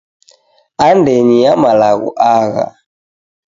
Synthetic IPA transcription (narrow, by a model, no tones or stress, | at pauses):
andɛɲiamalaɣṵʔaɣa̰